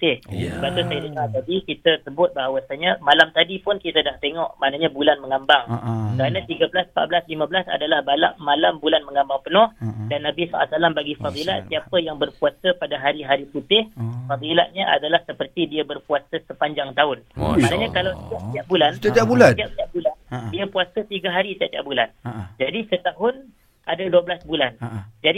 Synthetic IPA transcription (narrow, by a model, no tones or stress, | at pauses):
ut̪ɪhbat̪ʊsajadikaat̪adikit̪əsəbʊt̪̚baɦawasaɲamalamt̪adipʊnkit̪adaht̪eŋɔʔmaʔnaɲabulanməŋambaŋkəɾanat̪iɡablasmpa̰ʔ̪̚bəlasliməbəlasa̰dalahbalaʔmalambulanməŋambaŋpənɔhdanːabisaʔa̰salambaɡifaðilaʔ̪siapəjaŋbərpuasəpadaɦaɾiɦaɾiput̪ɪhfaðila̰ʔ̚ɲaʔa̰dalahsəpərt̪idiabərpuasasəpaɲd͡ʒaŋt̪aʊn̰manaɲãkalawt̪iap̚t̪iaʔ̚bulanabulaiap̚t̪iaʔ̚bulandiapuasat̪iɡaɦaɾit̪iaʔ̚t̪ia̰ʔ̚buland͡ʒadisət̪aɦʊn | ʔadaduabəlasbuland͡ʒadi